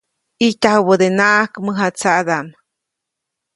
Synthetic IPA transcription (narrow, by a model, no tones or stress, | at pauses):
it̪ʲahwəd̪enaʔakməɦat͡saʔd̪aʔn